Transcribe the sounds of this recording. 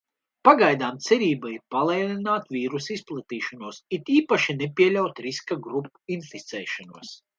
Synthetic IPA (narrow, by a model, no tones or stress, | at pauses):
paɡajd̪aːmt̪sɛɾiːbaiɾpalˠɛjlˠinaːt̪viːɾusisplˠat̪iːʃanuɔsit̪iːpaʃinepiɛlʲawt̪ɾiskaɡɾupuinfit̪sɛ̰ːʃanuɔs